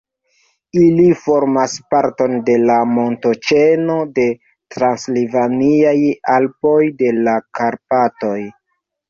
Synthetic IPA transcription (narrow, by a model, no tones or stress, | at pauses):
ilifo̞ɾmaspaɾto̞nde̞lamo̞nto̞t͡ʃenode̞ | tɾanslivaniajalpo̞jde̞lakaɾpato̞j